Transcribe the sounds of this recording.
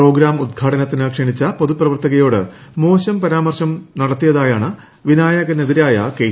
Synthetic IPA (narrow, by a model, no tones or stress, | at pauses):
pro̞ːɡɾaːmud̪̚ɡʰʱaːʈɐnɐt̪ːinɨkʂɐɳit͡ɕːɐpoðuprɐʋɐrt̪ɐɣɐjo̞ːɽɨ̰ | mo̞ːɕɐmpɐɾaːmɐrɕɐmnɐɽɐt̪ːijɐðaːjaːɳɨ | ʋinaːjaɣɐneðiɾaːjɐ̰ke